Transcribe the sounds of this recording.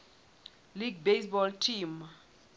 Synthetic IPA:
liɡ̚besbɔltʰim

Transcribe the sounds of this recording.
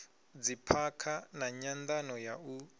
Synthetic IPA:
d͡zipʰakʰanaɲand̪anɔjau

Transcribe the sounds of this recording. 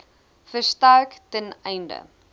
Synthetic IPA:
fəstɐrktənɛjndə̰

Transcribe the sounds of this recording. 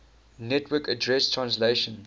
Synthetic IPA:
nɛtwəkədɹɛstʰɹãnsleʃə̃n

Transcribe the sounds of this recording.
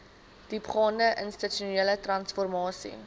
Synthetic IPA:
d̥ipχɑːndəʔənstətuniələtrɐnsfɔrmɑːsḭ

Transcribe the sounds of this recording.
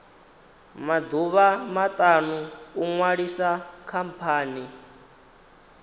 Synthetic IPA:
mad̪uβamat̪ʼanuːŋwaɺisakʰampʰaːni

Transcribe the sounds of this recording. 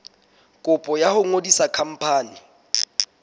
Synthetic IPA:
kʼʊpʼɔjahʊŋodisakʰam̩pʰaːni

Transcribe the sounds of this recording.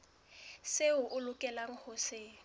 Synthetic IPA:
seʊʔʊlʊkʼɛlaŋ̩hose

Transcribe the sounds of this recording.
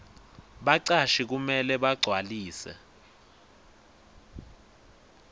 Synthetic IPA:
ɓaǀaʃik̬umɛlɛɓaɡ͡ǀʱwaliːsɛ̰

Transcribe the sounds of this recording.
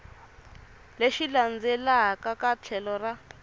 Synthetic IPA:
leʃiland͡zɛlakakat͡ɬʰɛlɔra

